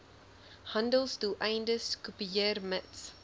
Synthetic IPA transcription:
hɐ̃ndəlˠsduʔɛjndəskupijərməts

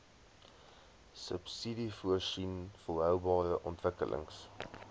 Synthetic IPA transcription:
səpsidifuəʃinfulˠɦœwbɑːɾəʔɔntvəkə̰lʔə̰ŋs

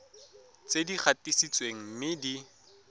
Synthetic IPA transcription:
t͡sediχʰatisit͡sweŋ̩mɪdi

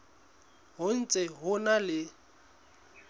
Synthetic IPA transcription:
ɦʊn̩t͡sʼɛɦʊnalɪ

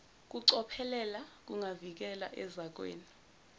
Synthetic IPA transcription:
k̬ʼuǀɔpʰɛlɛlak̬uŋavik̬ɛla̰ʔɛzak̬wḛːni

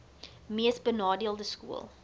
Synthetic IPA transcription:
miəsbənɑːdiəlˠdəskṵə̰lˠ

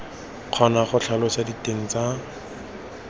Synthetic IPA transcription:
q͡χʰɔnaχʊt͡ɬʰalɔsaditeŋ̩t͡sa

